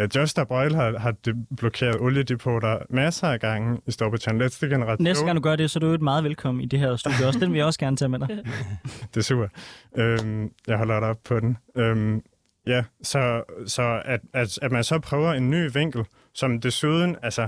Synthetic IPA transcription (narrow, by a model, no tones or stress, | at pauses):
d̥jɒsd̥ɐb̥ʁɑɪlhɑ̈ɦɑ̈d̥eb̥lɔkʰe̝̰ːɐðˠɔljəd̥ipʰo̰ːɾɐmæsɐæɡ̥ɑ̈ŋ̰əisd̥ɒ̰ːpʰɒt͡sʰɑnled̥sd̥əɡ̥enəʁɑ̈ːnesddɡɑ̈ŋd̥uɡɶɐd̥esɒ̽d̥udmɑ̈ːð̩ˠʋelkʰɒ̽m̰n̩id̥e̝ɦæɐsd̥ṵːd̥jəɒsd̥enʋeljaɒ̽sɡ̥æɐnət͡sʰeːmed̥ɾɑ | d̥e̝sṵɐ̰d̥ømjɑ̈ɪɦɒ̽l̰ɐɾɑɒ̽b̥̚pʰɒ̽d̥enøm | jæsɒ̽sɒ̽æd̥æ̥æd̥mænsɒ̽pʰʁœːʊɐe̝nːy̰ːʋeŋ̰ɡ̥l̩ | sɒ̽md̥e̝suːð̞ˠn̩ælsɐ